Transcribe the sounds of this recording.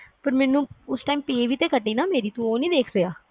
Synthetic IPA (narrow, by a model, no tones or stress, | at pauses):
pəɾmɛːnũːʊsʈaːimpeːʋiːt̪eːkəʈːiːnaːmeːɾiːt̪ũoːnĩːd̪eːkʰsəaː